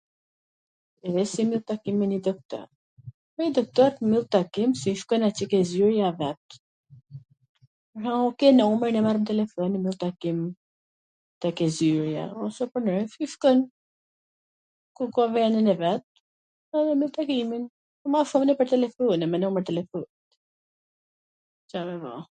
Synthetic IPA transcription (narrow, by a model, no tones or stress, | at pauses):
ɛðɛsimilˠt̪akiminid̪ɔk̚t̪ɔ̰ɾ | pɔid̪ɔk̚t̪ɔaɾt̪milˠt̪akimsiʃkɔjnat͡ʃɛkɛzyɾjavɛt̪ | haukɛnɔmɛɾnɛmaɾmt̪ɛlɛfɔnimilˠt̪akim | t̪ɛkɛzyɾja̰ɔsɛpəɾnɛfiʃkɔjn | kukɔvɛninɛvɛt̪̚ | ɛðɛmilˠt̪akimin | maʃumnɛpəɾt̪ɛlɛfunɛmɛnɔmɛɾt̪ɛlɛfut̪ | t͡ʃamɛvɔ̰